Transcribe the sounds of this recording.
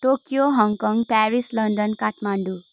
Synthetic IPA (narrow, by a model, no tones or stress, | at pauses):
ʈokjoɦɔŋkɔ̃ŋɡpɛɾislɔɳɖənkaʈmaɳɖu